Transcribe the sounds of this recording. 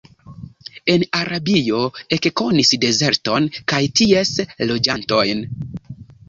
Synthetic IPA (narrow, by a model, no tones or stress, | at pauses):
e̞naɾʔabijo̞e̞kko̞nisde̞ze̞ɾto̞nkajtie̞slo̞d͡ʒanto̞jn